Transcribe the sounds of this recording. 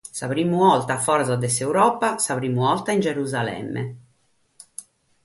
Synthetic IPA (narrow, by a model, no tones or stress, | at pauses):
saβɾimːuɔlt̪afɔɾzad̪ɛseuɾɔːpasaβɾimːuɔlt̪aind͡ʒeɾuzalɛ̰mːɛ̰